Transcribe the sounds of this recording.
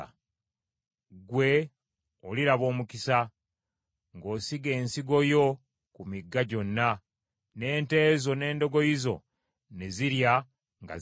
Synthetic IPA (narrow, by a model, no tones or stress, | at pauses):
ɡwe̞ | oliɾaβo̞ːmukisa | ŋɡo̞ːsiɡe̞ːnsiɡo̞jo̞ | kumiɡːaɟo̞nːa | ne̞ːnte̞ːzo̞ne̞ːndo̞ɡo̞izo̞̰ | ne̞ziɾja | ŋɡa̰